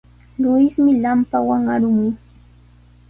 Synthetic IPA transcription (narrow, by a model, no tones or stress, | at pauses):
ɾʊɪsmɪʎampawaŋaɾʊmʊj